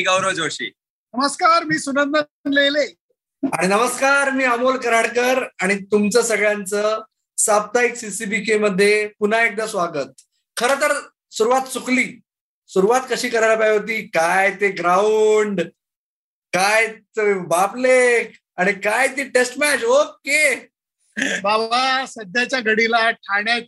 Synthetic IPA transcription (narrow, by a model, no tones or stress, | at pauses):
iɡəwɾəd͡zoɕḭː | nəməskaɾmiːsunənd̪ənlejle | aɽ̃inəməskaɾmiːəmolkəɾaɽkəɾaɽ̃it̪umt͡səːsəɡɭjant͡səː | sab̚t̪aiksisibikeməd̪ʱːjepun̤aek̚d̪asʋaɡət̪̚ | kʰəɾət̪əɾ | suɾuʋat̪t͡sukliː | suɾuʋat̪kəɕiːkəɾajlapajɦot̪̬iːkajt̪eɡɾauɳɖ | kajt̪ebaplek | aɽ̃ikajt̪iːʈesʈmɛt͡ɕoke | babasəd̪ʱjat͡ɕjaɡʱəɽilaʈʰaɳjat̪̚